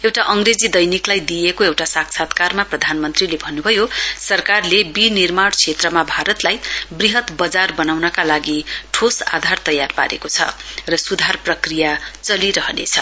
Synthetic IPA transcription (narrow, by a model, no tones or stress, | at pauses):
ewʈaʔʌŋred͡zid̪ʌjniklajd̪ijekoewʈasaksʰat̪karmaprʌd̪ʱanmʌnt̪rilebʱʌnːubʱʌjosʌrkarlebinirmaɽt͡sʰet̪rʌmabʱaɾʌt̪lajbriɦʌt̪bʌd͡zarbʌnawnʌkalaɡiʈʰosa̰d̪ʱart̪ʌjarpa̰ɾḛkot͡sʰʌ̰rʌsud̪ʱarprʌkrijat͡sʌliɾʌɦʌnḛt͡sʰʌ̰